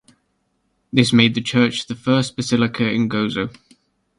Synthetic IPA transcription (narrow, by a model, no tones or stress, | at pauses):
ðɪsmeɪd̪̚ðət͡ʃʰɜˑt͡ʃðəfɜˑsb̥əsɪlɪkʰəɪ̃nɡoʊzəʊ